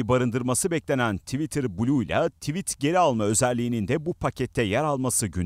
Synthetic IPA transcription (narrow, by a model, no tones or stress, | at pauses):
baɾɯnd̪ɯɾmasɯbɛclʲe̞nænt̪ʰivit̪ʰiɾbulʲujlʲˠa̰t̪ʰivit̪ɟe̞ɾialˠmaø̞zælʲːiːnind̪ɛbupʰacɛt̪ʰːɛjæɾalˠmasɯɟyn